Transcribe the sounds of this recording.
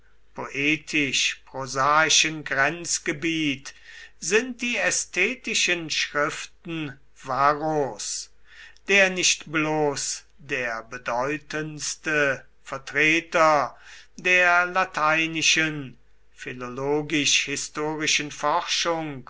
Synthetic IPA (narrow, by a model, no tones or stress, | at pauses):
pʰoʔeːtʰɪʃpʁozaːɪʃənɡʁɛnt͡sɡ̥əbiːtz̥ɪnt̚d̥iːɛstʰɛːtɪʃənʃʁɪftn̩ | vaʁos | d̥eːɐnɪʃtbloːs | deːɐbədɔʏtʰənstə | fɛɐtʁ̥eːtɐ | deːɐlatʰaɪnɪʃən | filoloːɡɪʃhɪstoːʁɪʃənfɔʁʃʊŋk